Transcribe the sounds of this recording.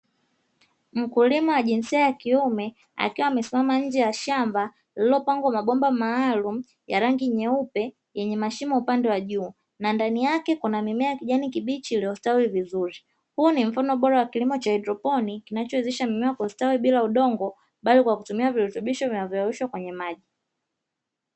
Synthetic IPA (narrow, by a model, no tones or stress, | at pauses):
m̩kulimawaʄinsiajakiumɛ | a̰kiwaːmɛsimamaɲ̩d͡ʒɛjaʃamba | lilɔpaŋɡɔmaɓɔmbamaːlum̩ | jaɾaŋɡiɲɛupɛ | jɛɲɛmaʃimaupandɛwaʄuː | nandanijakɛkunamimɛakiʄanikiɓit͡ʃiliɔstawivizuɾi | hunim̩fanɔɓɔɾawakilimɔt͡ʃaɛdɾɔpɔnikinat͡ʃɔɛzɛʃamimɛwakwaustawiɓilauɗɔŋɡɔ | ɓalikwakutumiaviɾutuɓiʃɔvinavjɔawuʃwakwɛɲɛmaʄi